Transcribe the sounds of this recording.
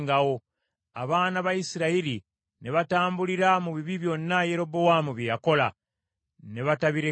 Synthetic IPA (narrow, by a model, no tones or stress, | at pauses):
ŋɡawo̞ | a̰βaːnaβajisiɾaiɾi | ne̞βataːmbuliɾamuβiβiβjonːaje̞ɾo̞bowamuβjejako̞la | ne̞βataβiɾe